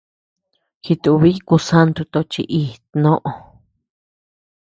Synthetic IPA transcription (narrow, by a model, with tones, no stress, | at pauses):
xi˧t̪u˧βi˦ku˧sa˦nt̪u˧t̪o˧t͡ʃḭ˧ʔi˦˧nõ˦ʔõ˧